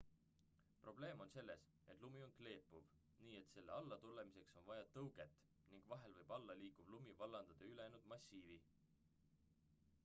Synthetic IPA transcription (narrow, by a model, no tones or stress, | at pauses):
pro̞ble̞ːmo̞nse̞lːe̞s | ʔe̞t̪ˑlumio̞nkle̞ːpːˑuv | niːe̞t̪se̞lːḛɑlːɑt̪ule̞mise̞kso̞nvɑjɑt̪ɤwɡ̥e̞t̪ːˑ | niŋɡ̥vɑɦe̞lvɤjb̥ɑlːɑliːkub̥lumivɑlːɑnd̪̥ɑd̪̥eyleenud̪mɑsːiːvi